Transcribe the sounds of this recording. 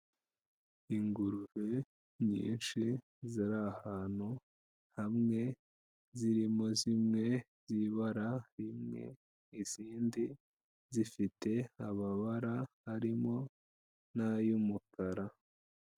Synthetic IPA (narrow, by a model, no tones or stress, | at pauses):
iŋɡuɾuve | ɲḭːnʃi | ziɾahaːn̥hu | hamŋe̞ | ziɾimo̞zimŋe̞ | ziβaɾaɾimŋe̞̰ | iziːndi | zifite̞aβaβaɾahaɾimo̞ | najumukʰaɾa